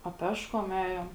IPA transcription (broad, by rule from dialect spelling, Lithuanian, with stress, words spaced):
ɐ ˈpʲæːʃkoːm ˈæːjoːm